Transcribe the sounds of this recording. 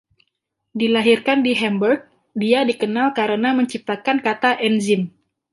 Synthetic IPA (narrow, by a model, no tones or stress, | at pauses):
dilaɦirkandiɦɛmbərk̚ | diadikənalkaɾənaməɲt͡ʃip̚t̪akankat̪aʔɛnzɪn